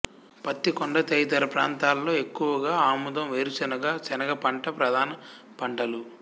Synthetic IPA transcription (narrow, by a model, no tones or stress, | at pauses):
pɐt̪ːikoɳɖɐt̪ejt̪ɐɾɐpɾaːnt̪aːlːo̞ːe̞kːuʋɐɡaːaːmud̪ɐmʋeːɾut͡ʃɐnɐɡaːt͡ʃɛnɐɡɐpɐɳʈɐpɾɐd̪ʱaːnɐ | pɐɳʈɐlu